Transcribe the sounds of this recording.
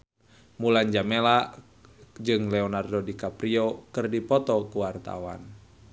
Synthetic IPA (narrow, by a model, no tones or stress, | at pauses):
muland͡ʒamela | d͡ʒɨŋlɛɔnardɔdikapɾiɔkɨrdipɔt̪ɔkuwart̪a̰wa̰n